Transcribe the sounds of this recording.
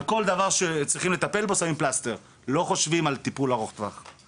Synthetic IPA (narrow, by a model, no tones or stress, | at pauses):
ko̞ld̪avaʁʃet͡sʁiχimle̞t̪ape̞lbosamimplast̪e̞ʁ | lo̞χo̞ʃvimalt̪ipulaʁoχt̪vaχ